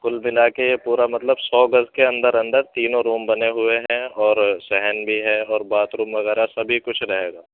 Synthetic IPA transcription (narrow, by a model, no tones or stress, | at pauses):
kʊlmɪlaːkejepuːɾamɐt̪ləbsɔːɡɐzkeɐ̃nd̪əɾɐ̃nd̪əɾt̪iːnõɾuːmbɐneɦʊeɦɛ̃ɔːɾsɛɦɛnbʱiɦɛɔːɾbaːt̪ɾũːmʋɐɣɛːɾasɐbʱikʊt͡ʃʰɾɐɦeːɡaː